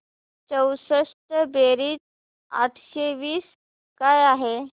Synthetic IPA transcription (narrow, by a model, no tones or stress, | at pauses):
t͡səwsəʂʈəbeɾiːt̪ | a̰t̪ʰɕeʋiːs | kajaɦe